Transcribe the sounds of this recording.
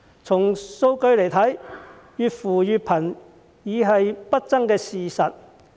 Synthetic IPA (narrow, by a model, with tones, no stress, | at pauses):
t͡sʰʊ˨˩ŋso˧wkɵ˧ɥle˨˩jt̪ʰɐ˨˥j | jyː˨˧t̚fuː˨˩jyː˨t̚pʰɐ˨˩n | jiː˨˧ɦɐ˨jpɐ˥t̚t͡sɐ˥ŋkɛː˧siː˨sɐ˨t̚